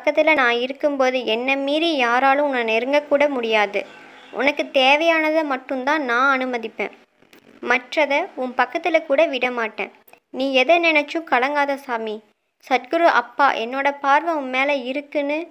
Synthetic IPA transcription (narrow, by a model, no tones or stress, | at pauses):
pɐkːɐt̪ːɪlɐnãːɪɾɯkːɯmpoːðɯɛnːɐmiːðijaːɾaːlɯ̃ʊnːɐnɛɾɯŋɡɐkːuːɽɐmʊɽɪjaːðɯ̰ʔʊ̰nɐkːɯt̪eːʋɐjaːnɐðɐmɐʈːɯ̃mt̪ãːnãːɐnɯmɐðɪpːḛ̃ː | mɐʈrɐðɐʊmpɐkːɐt̪ːɪlɐkuːɽɐʋɪɽɐmaːʈːḛ̃ː | nĩːɛðɐnɪnɛt͡ʃːɯ̃kɐlɐŋɡaːðɐsaːmi | sɐʈɡɯɾɯʔɐ̰pːa̰ːʔɛnːoːɽɐpaːɾʋɐʊmmeːlɐɪɾɯkːɯnːɯ